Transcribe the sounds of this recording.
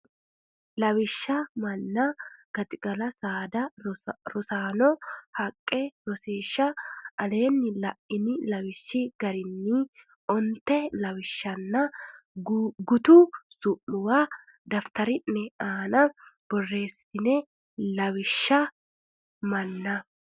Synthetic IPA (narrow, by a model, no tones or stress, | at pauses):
lɐwɪʃːɐmɐnːɐɡ̥ɐt̪ɪɡɐlɐsaːd̪ɐɾɔsaːnɔhɐkʼːɛɾɔseːʃːɐʔɐle̞ːnːɪlɐʔɪnɪlɐwɪʃːɪɡɐɾɪnːi | ɔnt̪ːɛlɐwɪʃːɐnːɐ | ɡʊt̪ʊsʊʔʊwa | d̪ɐft̪ɐɾɪnːɛaːnɐb̥ɔrːe̞ːsɪ̥t̪ɪnɛ | lɐwɪʃːɐ | mɐnːɐ